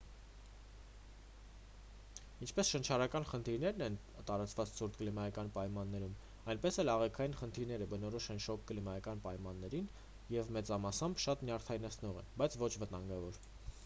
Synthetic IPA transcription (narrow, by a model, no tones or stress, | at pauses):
int͡ʃʰpɛsʃənt͡ʃʰɑɾɑkɑn̪χənt̪ʰiɾnɛɾnɛn | t̪ɑɾɑt͡svɑt͡ssʰuɾt̪̚ʰklimɑjɑkɑnpɑjmɑnːɛɾum | ɑjnpɛsɛlɑʁɛkʰɑjinχənt̪ʰiɾnɛɾəbənɔɾɔʃɛnʃɔkʰːlimɑjɑkɑnpɑjmɑnːɛɾin | jɛvmɛt͡sɑmɑsɑmbʃɑt̪njɑɾt̪ʰɑinɛt͡sʰnɔʁɛ̰nbɑjt͡sʰvɔt͡ʃʰvət̪ɑŋɡɑvɔɾ